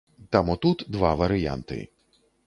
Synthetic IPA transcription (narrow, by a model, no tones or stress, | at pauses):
t̪amɔt̪ut̪d̪ʋɑʋɐɾɪja̰nt̪ɪ̰